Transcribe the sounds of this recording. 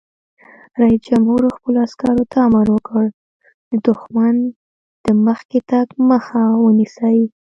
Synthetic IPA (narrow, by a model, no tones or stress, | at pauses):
ɾaisd͡ʒamhuɾoxpəloaskɑɾot̪ʰaːmaɾwəkəɽ | d̪̥əd̪ʊxman | d̪̥əməxket̪ɑkməxawənisaji